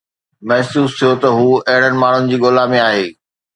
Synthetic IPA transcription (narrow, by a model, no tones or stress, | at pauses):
mɐɦsuːst̪ʰijot̪ɐɦuːɐɦɪɽ̤̃ənɪ̆maːɳ̤ʊnɪ̆d͡ʑiːɠoːlamẽaːɦeː